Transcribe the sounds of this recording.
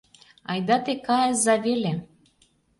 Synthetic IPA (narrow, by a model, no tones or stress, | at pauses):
ɑjd̪ɑt̪ekɑjəzɑvele